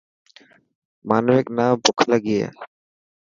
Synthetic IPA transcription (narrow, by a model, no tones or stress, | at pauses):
manoeknambokʰlaɡijḛ